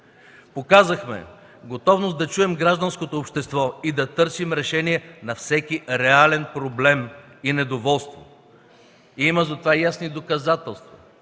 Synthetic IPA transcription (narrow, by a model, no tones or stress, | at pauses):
pokazɐxmɛ̰ | ɡot̪ɔvnosd̪ɐt͡ʃuɛmɡɾaʒd̪ənskot̪oːpʃt̪ɛst̪vɔid̪ɐt̪ɤɾsimɾɛʃɛniɛnɐfsɛkiɾɛalɛnpɾoblɛm | inɛd̪ovɔlˠst̪vo̰ | iməzɐt̪ovajasnid̪okɐzat̪ɛlˠst̪vɐ